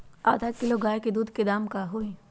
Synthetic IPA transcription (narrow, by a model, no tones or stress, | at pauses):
a̰ːd̪ʱakɪloɡaːjked̪uːd̪ʱked̪aːmkaɦoːẽː